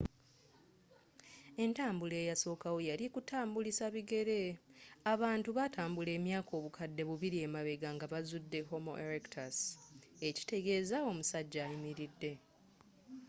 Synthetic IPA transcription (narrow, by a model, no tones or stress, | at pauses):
e̞ntaːmbule̞ːjaso̞ːkawo̞jalikutaːmbulisaβiɡe̞ɾe̞aβaːntuβatʰaːmbule̞ːmjaːko̞ːβukʰadːe̞βuβiɾie̞maβe̞ɡaŋɡaβazudːe̞ho̞mo̞̰ʔeɾektʰaseci̥te̞ɡe̞ːzao̞musaɟːaːimiɾidːe̞